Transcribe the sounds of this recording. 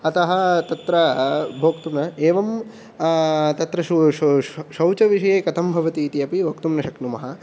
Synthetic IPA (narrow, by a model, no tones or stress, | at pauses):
ɐt̪ɐɦɐt̪ɐt̪ɾɐbʱoːkt̪umnɐeːʋɐm | t̪ɐt̪ɾɐʃ | ʃɐwt͡ʃɐʋiʂɐjeːkɐt̪ʰɐmbʱɐʋɐt̪iːt̪iɐpiʋokt̪umnɐʃɐknumɐɦɐ